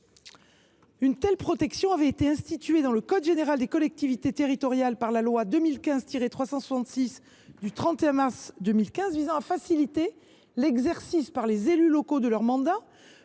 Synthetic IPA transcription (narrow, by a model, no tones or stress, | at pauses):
ynt̪ɛlpχɔt̪ɛksjɔ̃avɛet̪eɛ̃st̪it̪ɥed̪ɑ̃ləkɔd̪ʒeneʁald̪ekɔlɛk̚t̪ivit̪et̪eʁit̪ɔʁjalpaʁlalwad̪əmilkʲɛ̃zt̪iʁet̪χwasɑ̃swasɑ̃t̪sis | d̪yt̪χɑ̃t̪eɛ̃maʁsd̪əmilkʲɛ̃zvizɑ̃afasilit̪e | lɛɡzɛʁsispaʁlezelylɔkod̪əlœʁmɑ̃d̪a